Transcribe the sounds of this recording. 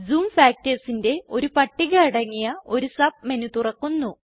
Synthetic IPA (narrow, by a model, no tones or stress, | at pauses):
d͡zuːmfaːk̚tesinde̞o̞ɾupɐʈːiɣɐɭiɽɐŋːijɐo̞ɾusɐb̚me̞nut̪urɐkːunːu